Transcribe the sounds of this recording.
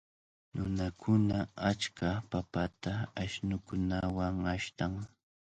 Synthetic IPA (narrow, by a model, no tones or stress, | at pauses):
nʊnakʰʊnaat͡ʃkʰapapat̪aːʃnʊkʊnawaŋaʃt̪aŋ